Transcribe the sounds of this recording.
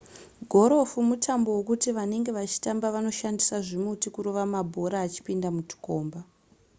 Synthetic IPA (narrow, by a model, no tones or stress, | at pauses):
ɡʱo̞ɾo̞fumutʰambo̞wokutiʋane̞ŋɡe̞ʋat͡ʃi̥tambaʋano̞ʃandisaʐimutikuɾo̞ʋamabʱo̞ɾaːt͡ʃi̥pindamuti̥ko̞ːmba